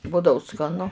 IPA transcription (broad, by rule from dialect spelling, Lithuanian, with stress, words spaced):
ˈbʊdɐʊ skɐˈnʊ